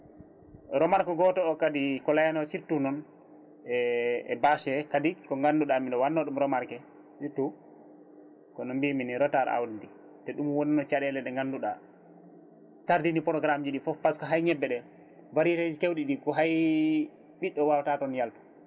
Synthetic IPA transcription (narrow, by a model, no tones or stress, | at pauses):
ɾɔmaɾkɔɡɔtɔːkadikɔlajanɔsiɾtunɔn | ɛɛ̰baʃɛkadikɔŋɡanːduɗamindɔwanːɔɗumɾɔmaɾkɛ | siɾtu | kɔnɔmbiminiɾɔtaɾ̰a̰wdidi | tɛɗumwoninɔt͡ʃaɗɛlɛɗɛŋɡanduɗa | taɾdinipɔɾɔɡɾamd͡ʒiɗifɔfpːaskɔɦajɲɛbːɛɗɛ | vaɾited͡ʒikewɗiɗikɔɦaj | ɓiɗːɔwawtatɔnjaltḁ